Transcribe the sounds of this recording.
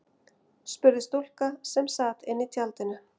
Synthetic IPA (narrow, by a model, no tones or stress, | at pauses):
spʏɾðɪst̪ol̥kasɛmsaːt̪ɪnːɪt̪ʰjalt̪ɪnːʏ